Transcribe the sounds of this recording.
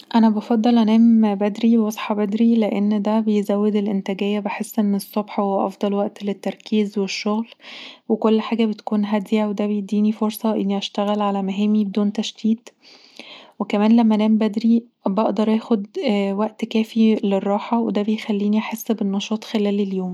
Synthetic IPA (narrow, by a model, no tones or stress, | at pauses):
ʔænæbɑfɑd̪ˤːɑlʔænæːmbæd̪ɾiwɑsˤħɑbæd̪ɾileʔenːd̪æbejzæwːed̪elʔent̪æɡejːæbeħesːʔenːesˤːobħɑweʔɑ̰fd̪ˤɑlwæʔt̪let̪ːɑɾˤkiːzweʃːoɣlwekolːħaːɡæbet̪kuːnɦæd̪iwed̪æbejed̪ːiːnifoɾsˤɑʔenːiʔæʃt̪æɣælʕalæmæɦæːmibed̪uːnt̪æʃt̪iːt̪ | wekæmæːnlæmːæʔænæːmbæd̪ɾi | bɑʔd̪ɑɾˤʔæːxod̪wæʔt̪kæːfilerˤːɑːħɑwed̪æbejxælːiːniʔaħesːbenːɑʃɑːt̪ˤxelæːleljoːm